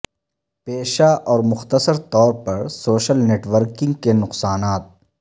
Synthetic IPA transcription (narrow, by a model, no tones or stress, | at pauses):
peːʃaʔɔːɾmʊxt̪əsəɾt̪ɔːɾpɐɾsoːʃəlneːʈʋəɾkɪ̃ŋɡkenʊqsaːnaːt̪̚